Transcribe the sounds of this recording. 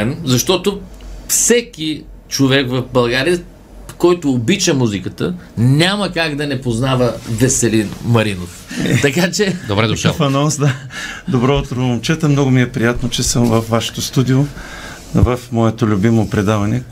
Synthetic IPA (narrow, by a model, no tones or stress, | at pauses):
mzɐʃt̪ɔt̪ofsɛkʲi | t͡ʃovɛkvɐfbɐlˠɡaɾiə | kɔjt̪ʊːbit͡ʃəmuzikət̪ənʲamɐkaɡd̪ɐnɛpoznavəvɛsɛlinmɐɾinoft̪ɐkat͡ʃɛd̪obɾɛd̪ʃfɐnɔnsd̪ad̪obɾɔot̪ɾoomt͡ʃɛt̪əmnɔɡʊmiɛpɾijat̪not͡ʃɛsəmvɐfvaʃɛ̥t̪ost̪ud̪io | vɐfmɔɛt̪olʲʊbimopɾɛd̪avɐnɛ